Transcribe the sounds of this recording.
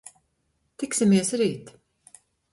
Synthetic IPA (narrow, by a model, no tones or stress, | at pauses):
t̪ɪksʲɪmiɛsɾiːt̪